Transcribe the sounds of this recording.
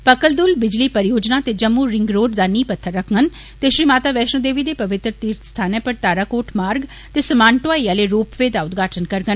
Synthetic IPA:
pɐkəld̪ʊlbɪd͡ʒliːpɐɾjoːd͡ʒnat̪ed͡ʒɐmːuɾɪ̃ŋɡɾoːɖd̪aːniːpɐt̪ʰːəɾːɐkʰŋɡən | t̪eʃɾiːmaːt̪aːʋɛːʃnod̪eːʋid̪eːpɐʋɪt̪ɾət̪iːɾt̪st̪ʰaːnɛ̃pɐɾt̪aːɾaːkoːʈʰmaːɾɡ | t̪eːsɐmãːɳʈoaːijaːleɾoːpʋeːd̪aːʊd̪ɡʱaːʈʰənkɐɾɡən

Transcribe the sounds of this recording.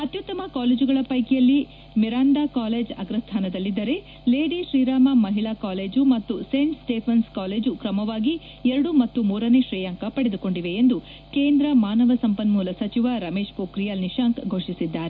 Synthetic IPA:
ɐt̪jut̪ːɐmɐkaːleːd͡ʒuɡɐɭɐpɐjkɛjɐlːi | miɾaːnd̪akaːle̞ːd͡ʒɐ̰ɡɾɐst̪ʰaːnɐd̪ɐlːid̪ːɐɾe̞ | le̞ːɖiʃɾiːɾaːmɐmɐɦilaːkaːleːd͡ʒumɐt̪ːuseːɳʈsʈeːpʰɐnskaːle̞ːd͡ʒukɾɐmɐʋaːɡi | ɛɾɐɽumɐt̪ːumuːɾɐne̞ʃɾiːjaŋkɐpɐɽed̪uko̞ɳɖiʋe̞ːnd̪u | ke̞ːnd̪ɾɐmaːnɐʋɐsɐmpɐnmuːlɐsɐt͡ʃiʋaɾɐme̞ːʃpoːkɾijalniʃaːŋkɡʱo̞ːʂisid̪ːaːɾe

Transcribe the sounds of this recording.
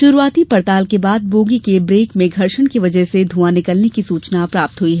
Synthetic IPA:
ʃʊɾuaːt̪ipɐɾt̪aːlkebaːd̪̚boːɡikebɾeːkmẽɡʱɐɾʃənkiʋɐd͡ʒəɦsed̪ʱuanɪkəlnekisuːt͡ʃnapɾaːp̚t̪ɦʊiɦɛ

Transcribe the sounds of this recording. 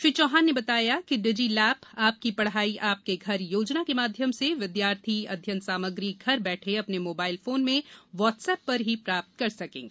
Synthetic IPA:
fɪɾt͡ʃɔːɦaːnːebɐt̪aːjakiɖɪd͡ʒilɛːpaːp̚kipɐɽɦaːiʔaːp̚keɡʱɐɾjoːd͡ʒnakemaːd̪ʱjəmseʋɪd̪jaːɾt̪ʰiɐ̰d̪ʱjə̃nt̪saːməɡɾiɡʱɐɾbɛːʈʰeɐpnemoːbaːɪlfoːnmẽʋɔːʈsɛːpːɐɾɦipɾaːp̚t̪̚kɐɾsɐkḛ̃ːŋɡeː

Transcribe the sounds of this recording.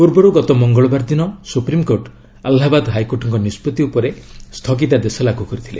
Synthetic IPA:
puɾbɔɾuɡɔt̪ɔmɔŋɡɔɭɔbaɾd̪inɔsupɾimkoɾʈ | alɦabad̪ɦajkoʈɔŋkɔnispɔt̪iupɔɾest̪ʰɔɡit̪̬ad̪esɔlaɡʱukɔɾit̪ʰile

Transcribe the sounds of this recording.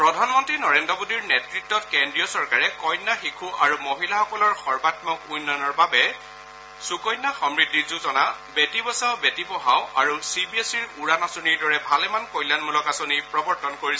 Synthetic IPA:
pɹɔdʱanmɔntɹinɔɹendɹɔbodiɹnɛtɹitːɔtkendɹijɔsɔɹkaɹɛkɔjnːaxikʰuʔaɹumoɦilaxɔkɔlɔɹxɔɹbatmɔkujnːɔnɔɹbabɛ | sukɔjnːaxɔmɹidʱːizuzɔnabetibɔsaʊbetibɔɦaʊa̰ɹusibiesiɹuɹanasoniɹdɔɹɛbʱalɛmankɔjlanmulɔkasonipɹɔbɔɹtɔnkoɹisɔ

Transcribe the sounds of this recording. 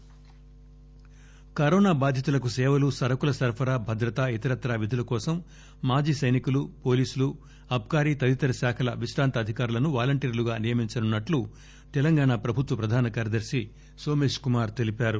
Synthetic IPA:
kɐɾɔːnaːbaːd̪ʱjɐt̪ulɐkusɛːʋɐlusɐɾɐkulɐsɐɾpʰɐɾaːbʱɐd̪ɾɐt̪ait̪ɐɾɐt̪ɾaːʋid̪ʱulɐkɔːsɐmː | aːd͡ʒiːsɐjnikulupo̞ːliːsulu | ɐb̚ʱkaːɾiːt̪ɐlit̪ɐɾɐʃaːkʰɐlɐ̰ʋiʃɾaːnt̪ɐːd̪ʱikaːɾulɐnuʋaːlɐɳʈiːɾuluɡaːnijɐmiɲt͡ʃɐnunːɐʈlu | t̪ɛlɐŋɡaːɳaːpɾɐbʱut̪ʋɐpɾɐd̪ʱaːnɐkaːɾɐd̪ɐɾsi | so̞ːme̞ːʂkumaːɾt̪e̞lipaːɾu

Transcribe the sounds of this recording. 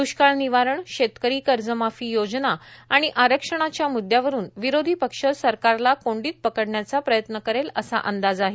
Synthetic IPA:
d̪uɕkaɭniʋaɾəɳɕet̪kəɾiːkəɾd͡zəmafiːjod͡znaaɽ̃iʔaɾəkʂəɽ̃at͡ɕjamud̪ʱjaʋəɾuːnʋiɾod̪ʱipəkʂəsəɾkaɾlakoɳɖiːt̪̚pəkəɽɳjat͡sapɾəjət̪nəkəɾeləsa̰ʔənd̪ad͡zaɦe

